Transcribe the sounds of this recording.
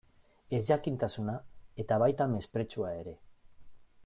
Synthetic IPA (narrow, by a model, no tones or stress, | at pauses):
e̞zʝakint̪asunae̞t̪aβajt̪ame̞spɾe̞t͡ʃuae̞ɾe̞